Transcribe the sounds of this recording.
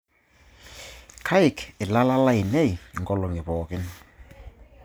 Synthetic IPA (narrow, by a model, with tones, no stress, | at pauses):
kʰa˦jkɪ˨la˦la˦la˦i˨ne˦˨jŋɡɔlɔ˨ŋi˨pɔːkɪ˦n